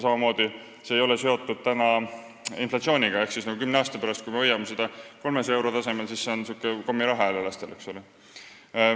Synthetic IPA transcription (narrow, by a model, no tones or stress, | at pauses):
sɑmɑmo̞ːd̪̥i | se̞ːjo̞lese̞o̞t̪ːˑud̪̥̚t̪ænɑ | inflɑt̪sio̞ːnʲiɡ̥ɑe̞hksisnɑkɡukymneɑːst̪ɑ̥pæɾɑst̪kujmeɤjɑmesed̪̥ɑko̞lmeseewɾo̞t̪ɑse̞melsisːeonsiuːkːˑeko̞mːiɾɑɦɑelelɑst̪e̞le̞kso̞le